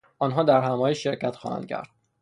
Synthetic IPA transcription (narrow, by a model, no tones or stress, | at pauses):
ɒːnɦɒːd̪æɾɦæmɒːjeʃːe̞ɾcæt̪xɒ̰ːhæ̰nd̪̚cʰæ̰ɾd̪̥̚